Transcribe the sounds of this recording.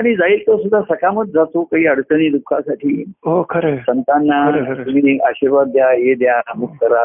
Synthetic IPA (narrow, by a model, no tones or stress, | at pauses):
aɽ̃id͡zaiːlt̪əɾsud̪ʱːasəkaməd̪̚d͡zat̪okaɦiːəɽt͡sənid̪ukʰasaʈʰiːokʰəɾesənt̪anːat̪um̤iːaɕiɾʋat̪̚d̪jajed̪jaamukʰkəɾa